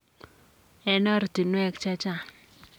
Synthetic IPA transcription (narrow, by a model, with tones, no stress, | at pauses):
ɛ˦nɔ˦ɾdi˨nwɛ˦kt͡ʃa˦t͡ʃa˦˨